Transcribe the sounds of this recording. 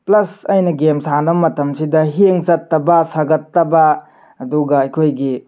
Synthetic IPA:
plɐsɐjnɐɡemsanɐmɐtɐmsidɐɦeŋzɐtːɐbɐsaɡɐtːɐbɐ | ɐduɡɐːjkʰojɡi

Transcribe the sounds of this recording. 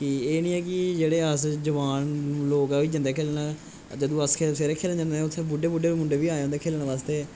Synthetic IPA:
kɪeːnĩːɛːkɪd͡ʒeːɽeːəsd͡ʒəʋaːnloːkaiːd͡ʒə̃nd̪eːkʰeːlnaː | d͡ʒəd̪ũːəskʰeseːɾeːkʰeːlənd͡ʒə̃nd̪eːʊt̪ʰːẽːbʊɖeːbʊɖeːmʊɳɖeːʋiːaːeõːnd̪eːkʰeːlnʋaːst̪eː

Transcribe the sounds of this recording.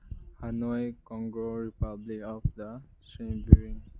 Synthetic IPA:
hanɔjkɔ̃ŋɡɹoɹipablikɔfd̪a | sɹĩmbiɹiŋ

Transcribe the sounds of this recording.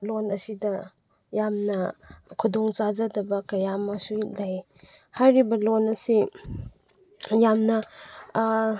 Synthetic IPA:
lonɐsidɐ | jamnɐkʰudoŋt͡ʃazɐdɐbɐkɐjamɐsulaj | hajɾibɐlonɐsi | jamnɐ

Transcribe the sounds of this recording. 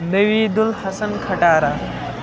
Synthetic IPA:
nəʋiːd̪ulhɐsənkʰɐʈaːɾaː

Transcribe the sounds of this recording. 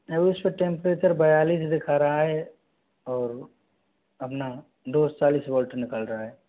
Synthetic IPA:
ɐbʊspeʈẽːmpɾeːt͡ʃəɾbɐjaːliːsd̪ɪkʰaːɾaɦaɦɛ | ɔːɾ | ɐpna | ɖoːst͡ʃaːliːsbɔːlʈəɾnɪkaːlɾɐɦaɦɛː

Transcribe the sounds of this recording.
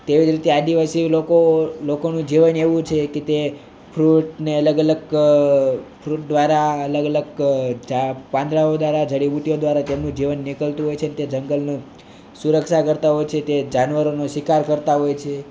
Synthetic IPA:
t̪eʋid͡ʒɾit̪ead̪iʋasilokolokonũd͡ʒiʋəneʋũt͡ʃʰeket̪e | pʰɾuʈneələɡələɡ | pʰɾuʈ̚d̪ʋaɾaələɡələɡd͡ʒapãnd̪ɾaod̪ʋaɾad͡ʒəɽibuʈ̪ijod̪ʋaɾat̪emnũd͡ʒiʋənːikəlt̪ũɦojt͡ʃʰeənet̪ed͡ʒəŋɡəlno | suɾəkʃakəɾt̪aɦojt͡ʃʰet̪ed͡ʒanʋəɾonoʃʋikaɾkəɾt̪aɦojt͡ʃʰe

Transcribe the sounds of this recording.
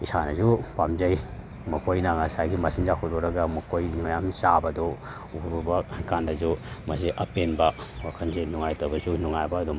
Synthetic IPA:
isanɐzupamzaj | mɐkʰojnaŋasajɡimasinzakʰɔldɔɾɐɡɐmɐkʰojnuŋajamsabɐdɔ | uuɾubɐkandɐzumɐseʔɐpenbɐwakʰɐnzenuŋajtɐwbɐzunuŋajbɐːdum

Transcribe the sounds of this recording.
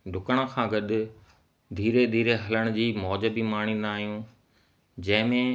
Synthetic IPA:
ɖʱʊkəɽ̃əkʰãːɡɐɗʊ | d̪ʱiːɾed̪ʱiːɾeɦɐləɽ̃ʊd͡ʑiːmɔːd͡ʑəbimaːɽ̃inaːɦijũ | d͡ʑɐ̃ɦɪ̃mẽ

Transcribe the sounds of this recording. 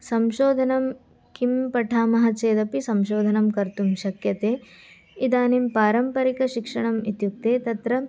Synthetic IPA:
sɐmʃoːd̪ʱɐnɐm | kimpɐʈʰaːmɐɦɐt͡ʃeːd̪ɐpisɐmʃoːd̪ʱɐnɐmkɐɾt̪umʃɐkjɐt̪eː | id̪aːnimpaːɾɐmpɐɾikɐʃikʂɐɳɐmit̪juk̚t̪eːt̪ɐt̪ɾɐ

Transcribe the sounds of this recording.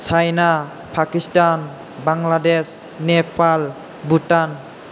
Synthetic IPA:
t͡ʃʰajna | pʰakistan | baŋladɛs | nɛpal | butan

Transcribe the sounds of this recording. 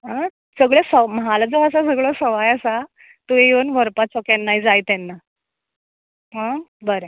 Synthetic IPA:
ɦa | səɡɭesəmɦalad͡zoas̬asəɡɭosəʋajasa | t̪uejənʋʱəɾpat͡sɔkanːaid͡zajt̪ɛnːa | ɦə̃bəɾe

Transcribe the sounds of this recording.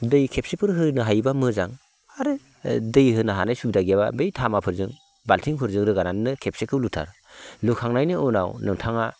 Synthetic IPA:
dɯjkʰep̚sepʰɯɾɦɯnɯɦajbamɯzaŋ | aɾɯ | dɯjhɯnɯɦanajsub̚daɡijaba̰bejtʰamapʰɯɾzɯŋ | baltʰiŋpʰɯɾzɯŋɾɯɡanannɯkʰep̚sekʰɯwlutʰa̰ɾ | lukʰaŋnajnɯɯna̰wnɯŋtʰaŋa

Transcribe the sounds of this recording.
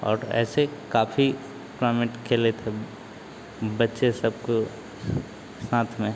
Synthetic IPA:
ɔ̰ːɾɛ̰ːsekaːfi | klaːmeʈkʰeːlet̪ʰe | bɐtːʃesɐb̚ko | saːt̪ʰmẽ

